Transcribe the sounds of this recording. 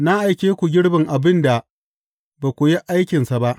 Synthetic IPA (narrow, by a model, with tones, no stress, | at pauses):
na˦ʔa˨jkʲeː˦kʷu˨ɡʲɪ˦ɽbɪ˨ŋʔa˨bɪ˦nda˨ | ba˨kʷʊ˨ji˦ʔa˦jkʲɪ˨nsa˨ba˦ʔ